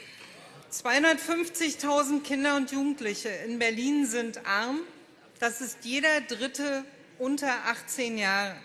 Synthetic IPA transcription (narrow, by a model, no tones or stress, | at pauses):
t͡sv̥aɪhʊndɐtfʏnft͡sɪçtʰaʊzn̩tkʰɪndɐʊntjuːɡŋ̩tlɪçəɪnbɛɐliːnzɪntʔaɐm | d̥asɪstjeːɾɐdʁɪtə | ʔʊntɐʔaχt͡seːnjaːʁə